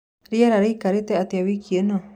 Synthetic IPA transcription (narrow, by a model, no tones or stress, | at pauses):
ɾiaɾaɾiikaɾit̪eat̪iaβikienõ